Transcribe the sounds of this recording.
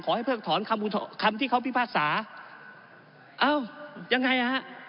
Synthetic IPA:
kʰɔː˩˦ha˥˩jpʰɯː˥˩kt̪ʰɔː˩˦nkʰa˧muː˧kʰa˧mt̪ʰiː˥˩kʰa˥wpʰi˦˥˩pʰaː˥˩k̚saː˩˦ | ʔaː˧˩wja˧ŋːa˧jʔa˧ha˦˥ʔ

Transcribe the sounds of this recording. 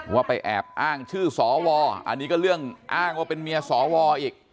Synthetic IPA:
waː˥˩pa˧jʔɛ̰ː˨˩p̚ʔaː˥˩ŋt͡ɕʰɯː˥˩sɔː˩˦wɔː˧ʔa̰˧nːiː˦˥kɔː˥˩ɾɯ˥˩əŋʔaː˥˩ŋwaː˥˩pe˧nmi˧˥ɐsɔː˩˦wɔː˧ʔiː˨˩k̚

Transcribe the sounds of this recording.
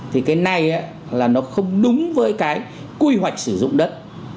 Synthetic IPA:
t̪ʰi˨˩kaː˨˦jna˨˧˩jʔaː˨˦ | laː˨˩nɔ˨˦xə˧wŋ͡mɗʊ˨˦ŋ͡mvəː˨˦jkaː˨˦j | kwi˧ɦwa˨˩jk̟̚sɨ˧˩zʊ̰˧˨ŋ͡mɗə˦˥t̚

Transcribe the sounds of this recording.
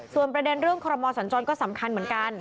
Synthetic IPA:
su˨˩ənpɾa˧de˧nɾɯ˥˩əŋkʰɔː˧ɾa˧mɔː˧sa˩˦nt͡ɕɔː˧nkɔː˥˩sa˩˦mkʰa˧nmɯ˩˦ənka˧n

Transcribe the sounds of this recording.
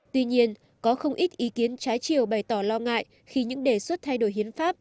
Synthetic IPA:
t̪wi˧ɲi˧ən | kɔ˨˦xə˧wŋ͡mʔi˦˥t̚ʔi˨˦ki˨˦ənt͡ɕaː˨˦jt͡ɕi˧˩əwɓa˧˩jt̪ɔ˧˩lɔ˧ŋa̰ː˧˨j | xi˧ɲɨ̰˧˥ŋɗe˧˨˩swə˦˥t̚t̪ʰa˧jɗo˧˩jɦi˨˦ənfaː˦˥p̚

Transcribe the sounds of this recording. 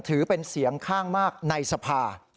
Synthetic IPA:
t̪ʰɯː˩˦pe˧nsi˩˦əŋkʰaː˥˩ŋmaː˥˩k̚na˧jsa˧pʰaː˧

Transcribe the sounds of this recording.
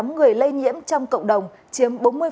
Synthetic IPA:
mŋɨ˨˩əjlə˧jɲḭ˧˥əmt͡ɕɔ˧wŋ͡mkə̰˧˨wŋ͡mɗə˨˩wŋ͡m | t͡ɕi˨˦əmɓo˨˦nmɨ˧əj

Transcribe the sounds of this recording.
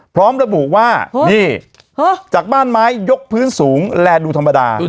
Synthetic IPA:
pʰɾɔː˦˥mɾa˧bu˨˩ʔwaː˥˩niː˥˩ | t͡ɕaː˨˩k̚baː˥˩nmaː˦˥jːo˦˥k̚pʰɯː˦˥nsuː˩˦ŋlɛː˧duː˧t̪ʰmːa˧daː˧

